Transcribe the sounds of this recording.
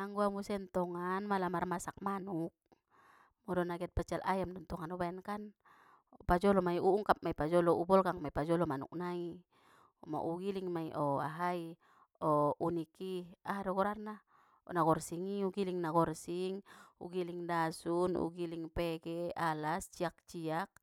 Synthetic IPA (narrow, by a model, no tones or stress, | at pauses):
aŋɡuamusɛnt̪ɔŋanmalamarmasak̚manuk̚ | mɔdɔnaɡiat̪̚pat͡ʃalʔa̰jamdɔnt̪ɔŋanɔbaɛnkan | pad͡ʒɔlɔmaiuuŋkap̚maipad͡ʒɔlɔubɔlɡaŋmaipad͡ʒɔlɔmanṵk̚nai | ɔma̰ʔuɡiliŋmaiʔɔa̰ɦai | ɔunikiaɦadɔɡɔɾarna | ɔ̰naɡɔrsiŋiuɡiliŋnaɡɔrsiŋṵɡiliŋdasunṵɡiliŋpɛɡɛalast͡ʃiak̚t͡ʃiak̚